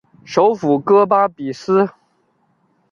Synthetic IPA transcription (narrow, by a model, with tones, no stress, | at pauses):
ʂo˧˥ʊfu˨˩kɤ˥pa˥pi˨˩sɹ̩˥